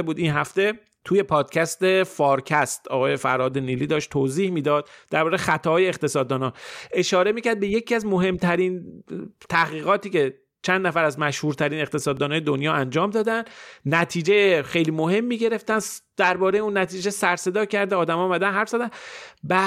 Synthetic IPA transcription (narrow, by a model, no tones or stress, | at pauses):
buːd̪inɦæft̪e̞ | t̪ʰuːje̞pʰɒːd̪̥̚cʰæst̪e̞fɒːɾcʰæst̪ɒːɣɒːje̞fæ̰ɾɒːd̪e̞niːliːd̪ɒːʃt̪ʰːoziːhmiːd̪ɒːd̪̥̚d̪ːæɾbɒːʁejxæt̪ʰɒːjeːχt̪e̞sɒːd̪ːɒːnɒːʔe̞ʃɒːɾe̞miːcæɾd̪̚be̞je̞cʰiæzmo̞ɦe̞mt̪ʰæɾint̪ʰæhɣiːɣɒːt̪iːce̞ | t͡ʃʰænd̪næfæɾæzmæʃhuːɾt̪ʰæɾine̞xt̪e̞sɒːd̪ːɒːnɒːjed̪onjɒːænd͡ʒɒːmd̪ɒːd̪ænnæt̪ʰiːd͡ʒejexejliːmo̞he̞mːiːɟe̞ɾe̞ft̪ænd̪̥æɾbɒːɾe̞jeunːæt̪ʰiːd͡ʒe̞sæɾse̞d̪ɒːcʰæɾd̪eɒːd̪æmɒːmæd̪ænɦæɾfz̥æd̪ænbæ